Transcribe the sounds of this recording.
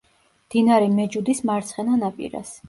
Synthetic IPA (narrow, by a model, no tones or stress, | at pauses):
md̪̥inaɾɛmɛd͡ʒud̪ismaɾt̪sʰχɛnanapʼḭɾa̰s